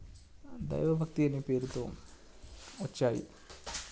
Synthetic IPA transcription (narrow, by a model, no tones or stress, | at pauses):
d̪ɐ̰jʋɐbʱɐk̚t̪ijɐnipːeɾut̪ːu | ot͡ɕːaːjḭ